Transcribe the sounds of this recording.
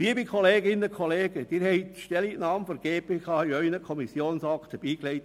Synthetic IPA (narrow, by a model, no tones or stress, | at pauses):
liːbikʰɔleːɡɪnəkʰɔleːɡ̥əd̥iːɾhɛɪtʃtɛliʔnɑːmfɔɾɡ̥eːpʰeːkʰɑːiœʏnəkʰɔmisjoːnsɑktəb̥iːklɛɪt